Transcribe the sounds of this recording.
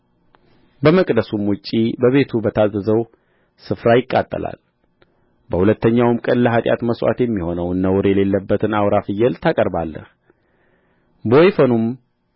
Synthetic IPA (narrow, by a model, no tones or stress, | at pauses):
bəməkʼd̪əsumwʊt͡ʃʼːibəβe̞t̪ʰubət̪ʰazːəzəw | sɨfɾajɪkʼːat̪ʼːə̰la̰l | bəhulət̪ʰːəɲːawmkʼəlːəɦat̪ʼja̰t̪məswa̰t̪jɛmːiho̞nəwnːəwɾjɛle̞lːəbːət̪ʰɨnawɾafɨjːɛlt̪ʰakʼəɾbalːə̰h | bojfənum